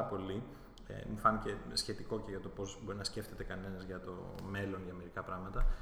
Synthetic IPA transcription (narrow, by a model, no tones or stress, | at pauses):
ɐpo̞li | ḛmufɐnice̞sçe̞t̪iko̞ceʝɐt̪o̞po̞zbo̞ɾinɐsce̞ft̪e̞t̪e̞kɐne̞nɐzʝɐt̪o̞̰me̞lo̞nʝɐme̞ɾikɐpɾɐɣmɐt̪ɐ